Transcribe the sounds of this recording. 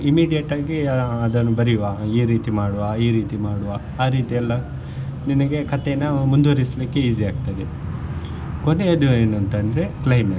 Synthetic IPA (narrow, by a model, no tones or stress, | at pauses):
imiːɖijɐʈaːɡiɐd̪ɐnːubɐɾiʋaːiːɾiːt̪imaːɽuʋaiːɾiːt̪imaːɽuʋaː | aːɾiːt̪iɐlːɐ | ninɐɡe̞kɐt̪enːɐmund̪oːɾislikːe̞iːz̬iaːɡt̪ɐd̪e | koneɐd̪ueːnuɐnt̪ɐnd̪ɾe̞klɐjme